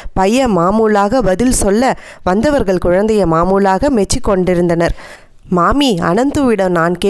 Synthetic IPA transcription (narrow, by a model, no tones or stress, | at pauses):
pɐjɐmaːmuːlaːɣɐbɐðɪlsɔlːɐ | ʋɐnd̪ɐʋɐɾɣɐɭkʊɻɐnd̪ɐjɐmaːmuːlaːɣɐmɛt͡ʃːikːɔɳɖɪɾɯnd̪ɐnɐɾ | maːmiɐ̰nɐnt̪ɯʋɪɽɐmnaːnkeː